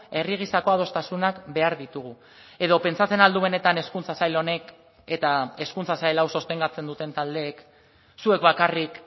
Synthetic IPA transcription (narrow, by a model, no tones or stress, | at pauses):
e̞riɣ̞isako̞að̞o̞st̪asunakbe̞aɾðit̪uɣ̞u | e̞ð̞o̞pe̞nt͡sat͡se̞nald̪uβe̞ne̞t̪ane̞skunt͡sasajlo̞ne̞k | e̞t̪ae̞skunt͡sasajlawso̞st̪e̞ŋɡat͡se̞nd̪ut̪e̞nt̪ald̪e̞ːk | sue̞kβakarik